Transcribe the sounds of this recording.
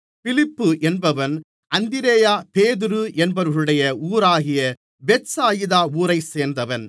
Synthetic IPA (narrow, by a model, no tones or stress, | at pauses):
fɪlɪpːɯʔɛnbɐʋɐn | ʔɐnd̪ɪɾeːjaːpeːðɯɾɯʔɛnbɐɾɣɐɭɯɽɐjɐuːɾaːɣɪjɐ | bɛʈsaːjɪðaːuːɾɐɪseːɾnd̪ɐʋɐn